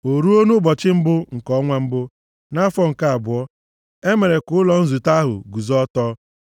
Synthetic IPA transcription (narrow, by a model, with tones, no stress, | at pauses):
o˨ɾu˦o˦nʊ˦bɔ˨t͡ʃɪ˦m̩˦bʊ˦ŋ̩˨kɔ˦ŋʷa˦m̩˦bʊ˦ | na˦fɔ˦ŋ̩˨ka˦a˨bʊ˨ɔ˦ | e˦me˨ɾe˨kʊ˨˦lɔ˨n̩˦zu˨ta˦ɦʊ̰˨ɡu˨zɔ˦tɔː˦